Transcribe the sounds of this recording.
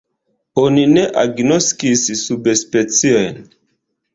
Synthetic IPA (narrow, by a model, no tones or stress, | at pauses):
onine̞ʔaɡnoskisːubespet͡sio̞jn